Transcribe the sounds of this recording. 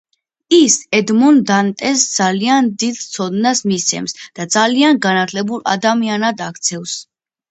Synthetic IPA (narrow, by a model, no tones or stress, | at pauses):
isɛd̪mɔnd̪ant̪ʼɛsd̪zaliand̪id̪̥t̪sʰɔd̪nasmist̪sʰɛ̰msd̪̥ad̪zalianɡanat̪ʰlɛbula̰d̪amianad̪akʰt̪sʰɛfs